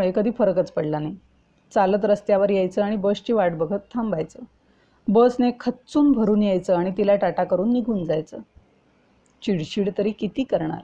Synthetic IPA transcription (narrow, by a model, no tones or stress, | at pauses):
ɭekəd̪ʱiːfəɾəkət͡spəɽlanaj | t͡salət̪ɾəst̪jaʋəɾjajt͡səːaɽ̃ibəst͡ɕiːʋaʈbəɡʱət̪ʰːambʱajt͡səː | bəsnekʰətːt͡suːnbʱəɾuːnjajt͡səːaɽ̃it̪ilaʈaʈakəɾuːnːiɡʱuːnd͡zajt͡səː | t͡ɕiɽɕiːɽt̪əɾiːkit̪iːkəɾɳa̰ɾ